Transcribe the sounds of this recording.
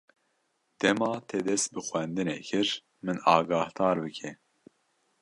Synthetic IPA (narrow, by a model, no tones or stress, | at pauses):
d̪̥ɛmɑːt̪ʰɛd̪ɛst̪̚bɨxwɛnd̪ɨnɛ̰kʰɨɾ | mɨnɑːɡɑːhd̪ɑːɾbɨkʰɛ